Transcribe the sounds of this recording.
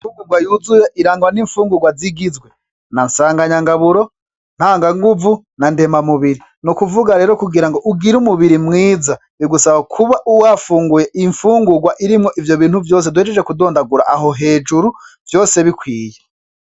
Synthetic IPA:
ifuːŋɡuɾɡwajuːzujeʔiɾaːŋɡwaniːɱfuːŋɡuɡwaziɡizɡwe | nansaːŋɡaɲaŋɡaβuɾo̞ | n̥haːŋɡaŋɡuvu | nande̞mamuβiɾi | nukuvuɡaɾe̞ːɾokuɡiɾaŋɡo̞ʔuɡiɾumuβiɾimŋiːza | iɡusaβakʰuβaʔuwafuːŋɡujeʔiɱfuːŋɡuɡwaʔiɾimŋo̞ʔivjo̞βiːn̥huvjo̞ːs̬edwhed͡ʒed͡ʒekudo̞ːndaɡuɾaʔaɦoɦe̞ːd͡ʒuɾuvjo̞ːse̞βikwiːje

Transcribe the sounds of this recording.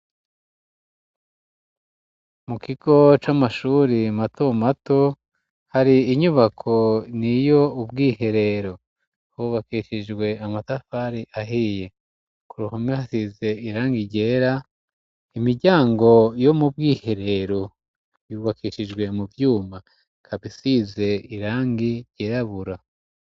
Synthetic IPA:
mukiɡo̞t͡ʃamaʃuːɾimatomato | haɾiːɲuβakʰo̞nijo̞ubɡiːhe̞ɾe̞ɾo̞ | uːβakiːʃid͡ʒɡwe̞amatafaɾiʔaɦiːje̞ | kuɾuhomihasize̞iɾaːŋɡiɾɟe̞ːɾa | imiɾɟaːŋɡo̞jo̞mubɡiːhe̞ɾe̞ɾo̞ | juːβakiːʃiʒɡwe̞muvjuːma | kʰaβisize̞iɾaːŋɡiɾɟe̞ːɾaβuɾa

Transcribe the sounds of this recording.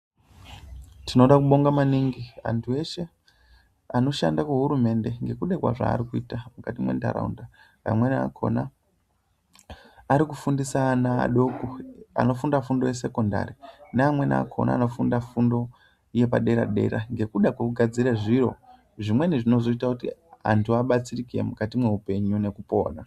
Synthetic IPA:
tino̞ɗakuɓo̞ŋɡamaniŋɡia̰ntʰue̞ʃe | ano̞ʃa̰ndakuɦuɾume̞nde̞ŋɡe̞kuɗekwa̰ʐa̰ːɾikuiːtamukatimwḛnda̰ɾa̰ṵnda | a̰mwe̞nia̰kʰo̞̰na | ɾikufundisana̰ːɗo̞koa̰no̞fundafundo̞je̞se̞ko̞nda̰ɾineamwe̞na̰kʰo̰na̰ːno̞fundafundo̞ | je̞paɗe̞ɾa̰ɗe̞̰ɾaŋɡe̞kuɗakukuɡʱad͡ziɾaʐiro̞̰ | ʐimwe̞niʐino̞zo̞itakutia̰ntʰuaɓat͡sirikiḛmukatimwe̞upe̞ɲune̞kupo̞̰ːna

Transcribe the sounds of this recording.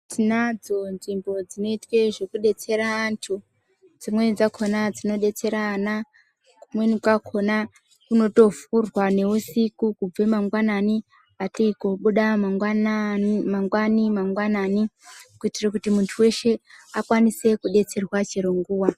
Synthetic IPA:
tinad͡zo̞nʐimbo̞d͡zino̞itwe̞ʐe̞kuɗe̞t͡se̞ɾaːntʰu | d͡zimwe̞d͡zakʰo̞nad͡zino̞ɗe̞t͡se̞ɾana | kumwenikakʰo̞na | kuno̞to̞furwane̞usikukub͡ve̞maŋɡwanani | atiikoɓuɗamaŋwanmaŋɡwanimaŋɡwananikuitirakutimuntʰuwe̞ʃe̞akwanise̞kuɗe̞t͡se̞rwat͡ʃeɾoŋɡuːwa

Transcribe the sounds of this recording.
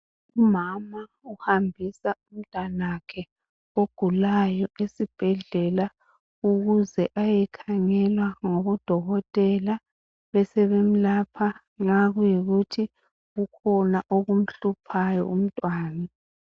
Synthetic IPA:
umama | uhambʱisaum̩tʼanakʰɛ | oɡ̥ʱulajɔʔesib̥ʱɛɮɛla | uɣuzɛʔajɛkʰaŋɛlwaŋɔβɔd̥ʱɔɣɔtʼɛla | βɛsɛβem̩laːpʰa | ŋaɣujiɣutʰi | ɣukʰɔnaʔoɣum̩ɬupʰajɔ̰um̩tʼwaːna

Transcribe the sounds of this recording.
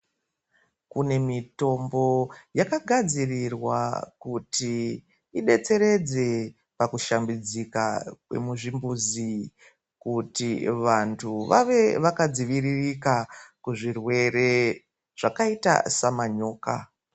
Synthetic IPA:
kune̞mito̞mbo̞jakaɡʱad͡zirirwakuti | iɗe̞t͡se̞ɾe̞d͡ze̞ | pakuʃambid͡zikakwe̞̰muʐimbuzi | kutiʋantʰuʋa̰ʋe̞ʋakad͡ziʋiririkakuʐirwe̞re̞ | ʐ̥akaita̰samaɲo̞ːka̰

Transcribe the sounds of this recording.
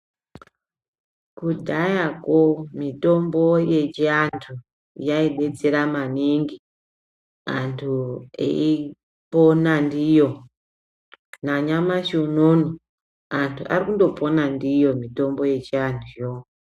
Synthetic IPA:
kudʱajakomito̞mbo̞je̞t͡ʃiantʰu | jaiɗe̞d͡zeɾamaniŋɡi | antʰuḛi | ponandijo | naɲamaʃononi | antʰuʔa̰rikundo̞po̞nandijo̞mito̞mbo̞je̞t͡ʃiantʰuo

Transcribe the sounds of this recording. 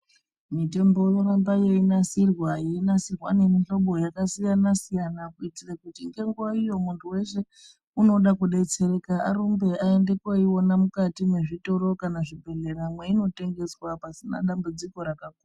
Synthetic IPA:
mite̞mbo̞jorambajeinasirwajeinasirwa̰ne̞miɬo̞ɓo̞jakasijanasijanakuitirakutiŋɡe̞ŋɡuwaijo̞muntʰuwe̞se̞ | uno̞ɗakuɗe̞t͡se̞ɾe̞kaaɾumbe̞aende̞kaiwo̞namukatimwe̞ʐitoɾo̞kanaʐibʱe̞ɮe̞ɾamweino̞te̞ŋɡe̞swapasina̰ɗambud͡ziko̞ɾakak̚uːa

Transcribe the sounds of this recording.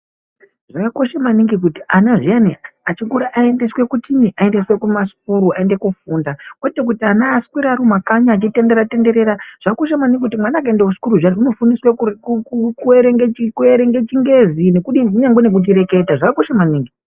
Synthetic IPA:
ʐ̥akako̞ʃamaniŋɡik̬utiʔanaʐianḭat͡ʃikuɾaʔae̞nde̞swe̞kutimiʔae̞ndeswe̞kumasu̥kuɾuaende̞kufuːndakwotek̬utianaːskwiɾaɾumakaɲaːt͡ʃite̞ndeɾate̞nde̞ɾeɾaʐ̥akako̞ʃamaniŋɡikutimwanaːk̬aendeusi̥kuɾuʐianiuno̞funiswe | kueɾeŋɡet͡ʃikueɾeŋɡe̞t͡ʃiŋɡe̞zine̞kuɗiuɲaŋɡenek̬ut̬iɾe̞ke̞taʐakako̞ʃamaniːŋɡi

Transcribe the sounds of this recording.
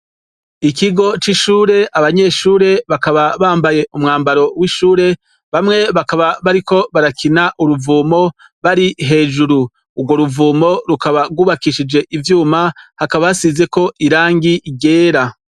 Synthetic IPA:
ikiɡo̞t͡ʃiʃuːɾe̞ʔaβaɲe̞ʃuːɾe̞βakaβaβaːmbaje̞ʔumŋaːmbaɾo̞wiʃuːɾe̞ | βamŋe̞βakaβaβaɾiko̞βaɾakʰinaʔuɾuvuːmo̞ | βaɾiɦe̞ːʒuɾuː | ɡwo̞ɾuvuːmo̞ɾukaβaɡuːβakiʃid͡ʒe̞ʔivjuːmahakaβaasize̞ko̞iɾaːŋɡiiɡe̞ːɾa

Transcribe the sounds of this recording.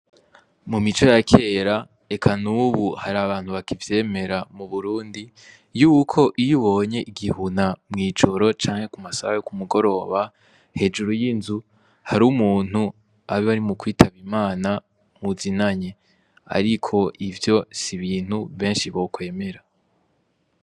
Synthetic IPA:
mumit͡ʃo̞jakʰe̞ːɾa | e̞kʰanuːβuhaɾaβaːn̥huβakivje̞ːme̞ɾamuβuɾuːndi | juːkʰo̞ʔijuβo̞ːɲe̞ʔiɡihunamŋiːd͡ʒo̞ɾo̞t͡ʃaːŋhe̞kumasaβajokumuɡo̞ɾo̞ːβa | he̞d͡ʒuɾujinzu | haɾuːmuːn̥hu | aβiβaɾimukwiːtʰaβimaːna | muzinaɲe | a̰ɾikʰo̞ʔivjo̞siβiːn̥huβe̞ːnʃiβo̞kwe̞ːme̞ɾa

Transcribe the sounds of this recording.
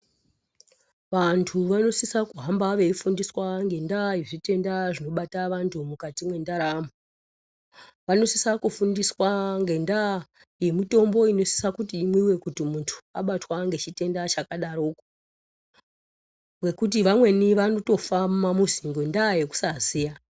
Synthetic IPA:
ʋantʰuʋano̞sisakuɦambaʋe̞ifundiswaŋɡe̞ndajeʐite̞ndaʐino̞ɓataʋantʰumukatimwe̞ndaɾamu | ʋano̞sisakufundiswaŋɡe̞nda | je̞mito̞mbo̞ino̞si̥sakutiːmwiwe̞kutimuntʰu̥aɓatwaŋɡe̞t͡ʃite̞ndat͡ʃakaɗaɾoːko̥ | ŋɡe̞kut̬iʋamwe̞niʋano̞to̞famamuziŋɡo̞ndaje̞ku̥sazija

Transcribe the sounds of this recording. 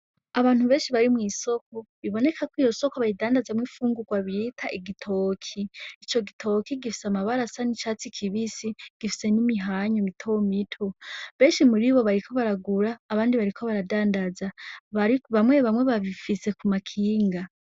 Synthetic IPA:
aβaːn̥huβe̞ːnʃiβaɾimŋiːso̞k̚oβiβo̞ne̞kʰakwiːjo̞so̞koβaidaːndazamŋiːfuːŋɡuɡwaβiitʰaʔiɡitʰo̞kʰiːt͡ʃo̞ɡitʰo̞kiɡifi̥samaβaɾasanit͡ʃaːt͡sikʰiβisiɡ̥ifi̥se̞nimiɦaɲomitʰomitʰoβe̞ːnʃimuɾiβo̞βaɾikʰo̞βaɾaɡuɾaːβaːndiβaɾikʰo̞βaɾadaːndazaβaɾiβamwe̞βamwe̞βaβifise̞kumakʰiːŋɡa

